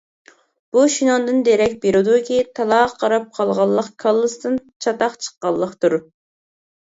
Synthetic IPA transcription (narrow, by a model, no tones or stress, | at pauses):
b̥uʃinɑnd̪ɨnd̪eɾɛk̚ʲbeɾud̪ukʲit̪ʰɑlˠɑːqʰːɑɾɑp̚qʰɑlˠʁɑlˠːəqkʰɑlˠːɨst̪ɨn | t͡ʃʰɑt̪ɑχt͡ʃʰə̥qːɑlˠːəqt̪uɾ